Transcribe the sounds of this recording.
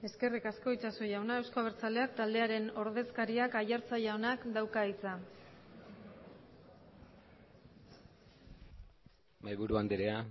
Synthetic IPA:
e̞ske̞rikasko̞it͡ʃasojawnae̞wskoaβ̞eɾt͡sale̞akt̪ald̪e̞aɾe̞no̞ɾðe̞skaɾiakajaɾt͡saʝaonakd̪awkait͡sa | majβuɾuand̪eɾea

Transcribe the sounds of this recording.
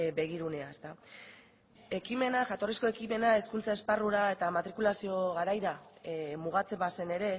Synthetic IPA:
be̞ɣ̞iɾune̞ae̞st̪a | e̞kime̞naʝat̪o̞risko̞e̞kime̞nae̞skunt͡sae̞sparuɾae̞t̪amat̪ɾikulasio̞ɣaɾajɾamuɣ̞at͡se̞mbase̞ne̞ɾe̞

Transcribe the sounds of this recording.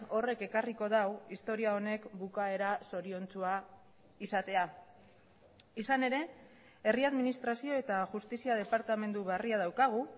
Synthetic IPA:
o̞re̞ke̞kariko̞ðawist̪o̞ɾiao̞ne̞kbukae̞ɾaso̞ɾio̞nt͡sua | isat̪e̞a | isane̞ɾe̞ | e̞riaðminist̪ɾasio̞e̞t̪aʝust̪isiað̞e̞paɾt̪ame̞nd̪uβeariað̞awkaɣ̞u

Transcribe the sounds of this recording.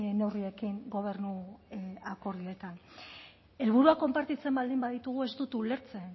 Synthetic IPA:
ne̞wrie̞kiŋɡo̞β̞e̞ɾnu | ako̞ɾðie̞t̪an | e̞lβ̞uɾuako̞mpaɾt̪it͡se̞mbald̪imbaðit̪uɣ̞ue̞zt̪ut̪ule̞ɾt͡se̞n

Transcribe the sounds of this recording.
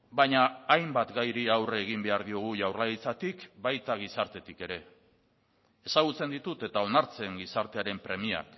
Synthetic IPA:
baɲaːjmbat̪ɡajɾiawreːɣ̞imbe̞aɾðio̞ɣ̞uʝawrlaɾit͡sat̪ikbajt̪aɣ̞isaɾt̪e̞t̪ike̞ɾe̞ | saɣ̞ut͡se̞nd̪it̪ut̪e̞t̪ao̞naɾt͡se̞ŋɡisaɾt̪e̞aɾe̞mpɾe̞mia̰k

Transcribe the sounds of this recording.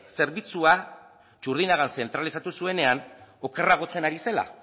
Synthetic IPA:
se̞ɾβit͡sua | t͡ʃuɾð̞inaɣ̞anse̞nt̪ɾalisat̪usue̞ne̞ano̞keraɣ̞o̞t͡se̞naɾise̞la̰

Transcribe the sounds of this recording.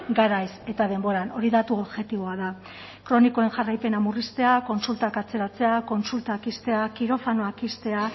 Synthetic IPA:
ɡaɾajse̞t̪að̞e̞mbo̞ɾano̞ɾiðat̪uoβʝe̞t̪iβ̞o̞aða | kɾo̞niko̞e̞nʝarajpe̞namurist̪e̞ako̞nsult̪akat͡se̞ɾat͡se̞ako̞nsult̪akist̪e̞akiɾo̞fano̞akist̪e̞a

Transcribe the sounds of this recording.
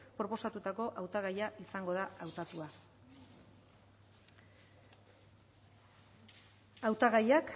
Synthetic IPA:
pɾo̞po̞sat̪ut̪ako̞ʔawt̪aɣ̞ajaʔisaŋɡo̞ð̞aawt̪at̪ua | awt̪aɣajak

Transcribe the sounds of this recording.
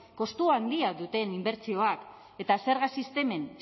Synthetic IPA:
ko̞st̪uand̪iaðut̪e̞nimbe̞ɾt͡sio̞ak | e̞t̪ase̞ɾɣasist̪e̞me̞n

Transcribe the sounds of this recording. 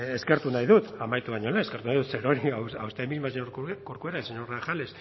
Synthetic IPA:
eske̞ɾt̪unajðut̪amajt̪uβaɲolaeskeɾt̪unajðut̪seɾoɾiaawst̪emizmaseɲoɾkoɾkueɾaseɲoɾraxales

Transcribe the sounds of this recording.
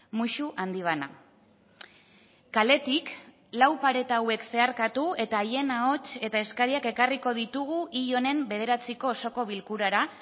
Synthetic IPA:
muʃuʔand̪iβ̞ana | kale̞t̪ik | lawpaɾe̞t̪aːwe̞kse̞aɾkat̪ue̞t̪aːje̞nao̞t͡ʃe̞t̪ae̞skaɾiake̞kariko̞ð̞it̪uɣ̞uʔiʎo̞ne̞mbe̞ð̞e̞ɾat͡siko̞ːso̞ko̞β̞ilkuɾaɾa

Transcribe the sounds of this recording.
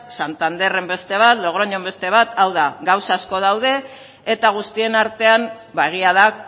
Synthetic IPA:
sant̪and̪e̞re̞mbe̞st̪e̞β̞at̪lo̞ɣ̞ɾoɲo̞mbe̞st̪e̞β̞at̪ʰawðaɡawsasko̞ð̞awð̞e̞ː | t̪aɣ̞ust̪ie̞naɾt̪e̞am | baeɣ̞iaða

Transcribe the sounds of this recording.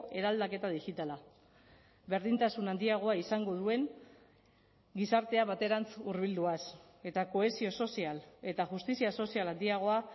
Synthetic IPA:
e̞ɾald̪ake̞t̪aðixit̪ala | βe̞ɾðint̪asunand̪iaɣ̞o̞aisaŋɡo̞ð̞ue̞ŋ | ɡisaɾt̪e̞aβat̪e̞ɾant͡suɾβild̪uas | e̞t̪ako̞e̞sio̞so̞siale̞t̪aʝust̪isiaso̞sialand̪iaɣ̞o̞a

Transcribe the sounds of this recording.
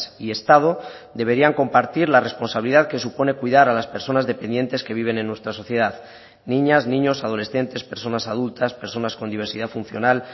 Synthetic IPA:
sie̞st̪að̞od̪e̞βe̞ɾiaŋko̞mpaɾt̪iɾlare̞spo̞nsaβiliðaðke̞supo̞ne̞kwuiðaɾalaspe̞ɾso̞nazðe̞pe̞nd̪je̞nt̪e̞ske̞β̞iβ̞e̞nenːwe̞st̪ɾaso̞θje̞ðað | nĩɲaznĩɲo̞sað̞o̞le̞sθe̞nt̪e̞spe̞ɾso̞nasað̞ult̪aspe̞ɾso̞nasko̞nd̪iβ̞e̞ɾsiðafunθjo̞nal

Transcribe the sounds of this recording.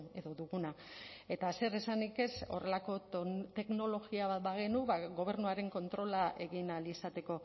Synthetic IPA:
e̞ðo̞ðuɣunae̞t̪ase̞ɾesanike̞so̞̰re̞lako̞t̪e̞kno̞lo̞ɣiaβat̪baɣenuβaɣo̞β̞e̞ɾnuaɾe̞ŋko̞nt̪ɾo̞laʔe̞ɣinalisat̪e̞ko̞

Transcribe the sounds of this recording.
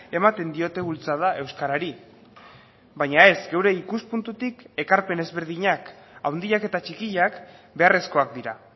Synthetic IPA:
e̞mat̪e̞nd̪io̞t̪e̞βult͡sað̞aʔe̞wskaɾaɾi | bajɲae̞zɡe̞wɾe̞ikuspunt̪ut̪ike̞kaɾpe̞nezβe̞ɾðiɲakawnd̪iake̞t̪at͡ʃikiʎakbe̞are̞sko̞ak̚d̪iɾa

